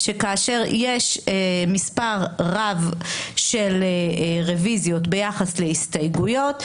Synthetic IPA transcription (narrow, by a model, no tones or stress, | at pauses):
ʃekaːʃe̞ʁjeʃemispaʁʁavʃe̞leʁevizjo̞tbe̞jaχasle̞ist̪ajɡujo̞t